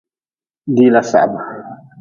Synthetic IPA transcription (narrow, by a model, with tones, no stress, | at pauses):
d̪i˦lasa̰˨ba